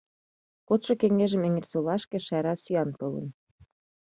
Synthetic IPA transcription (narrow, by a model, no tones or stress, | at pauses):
kot̪ʃŏkeŋeʒə̆mĕŋĕrsolɑʃkĕʃæɾɑsyɑnp̪ɤlə̰̆n